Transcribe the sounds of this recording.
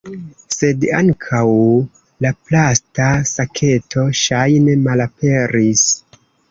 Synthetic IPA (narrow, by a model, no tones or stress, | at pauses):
se̞daŋkʰaw | laplastasakʰe̞tʰo̞ʃajne̞malape̞ɾis